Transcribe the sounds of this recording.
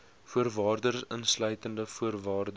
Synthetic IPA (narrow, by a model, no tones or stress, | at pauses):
fuərvɑːrdərsənslœɥtəndəfuərvɑːrdə